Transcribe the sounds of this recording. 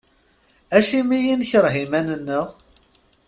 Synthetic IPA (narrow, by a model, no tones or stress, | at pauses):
æʃimijinçəɾˤɦimænənːəʁ